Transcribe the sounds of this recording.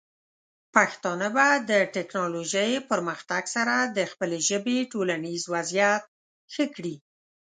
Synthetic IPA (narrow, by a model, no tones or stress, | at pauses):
paxt̪ɑnəbad̪əʈɛknɑloʒəjpəɾməxt̪aɡsaɾad̪əxpəleʒəbeʈolanizwazjat̪̚ | xəkɽi